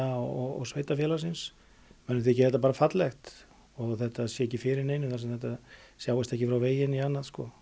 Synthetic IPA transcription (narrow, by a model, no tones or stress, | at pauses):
aɔɔɔ̰sveːjt̪afjɛːlasɪns | mɛnːɪθiɪɛcːɪθɛt̪ːapaːɾafat̪lɛxt̪ | ɔɣθɛt̪aðsjɛɛcːɪfɪːɾɪɾneːjnɪmθasɛmθɛt̪asjaːwɪst̪ɛhcɪfɾawveːjɪnianːaðskɔ